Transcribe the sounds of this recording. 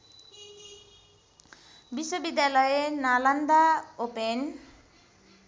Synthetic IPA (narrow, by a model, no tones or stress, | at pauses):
biswʌbid̪jalʌjenaland̪aopen